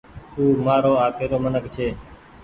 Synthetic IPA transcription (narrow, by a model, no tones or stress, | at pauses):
t̪uːmaːɾoːaːpeːɾoːmənəkt͡ʃʰeː